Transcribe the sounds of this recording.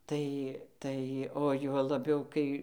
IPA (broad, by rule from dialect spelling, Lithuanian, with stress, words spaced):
ˈtɐɪ ˈtɐɪ oː ˈjuɔ lˠɐbʲɛʊ ˈkɐɪ